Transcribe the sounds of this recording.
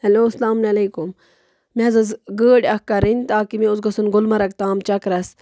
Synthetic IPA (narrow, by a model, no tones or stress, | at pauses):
hɐloːslaːmneleːkum | mezɐzɡəːɖʲɐhkːɐɾinʲt̪aːkimẽʊsɡɐsunɡʊlmɐɾɐk̚t̪aːmt͡ʃɐkɾɐs